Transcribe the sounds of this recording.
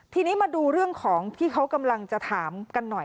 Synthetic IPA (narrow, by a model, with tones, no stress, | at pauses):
t̪ʰiː˧niː˦˥maː˧duː˧ɾɯ˥˩əŋkʰɔː˩˦ŋt̪ʰiː˥˩kʰa˦˥wka˧mla˧ŋt͡ɕa˨˩t̪ʰaː˩˦mka˧nːɔ˨˩j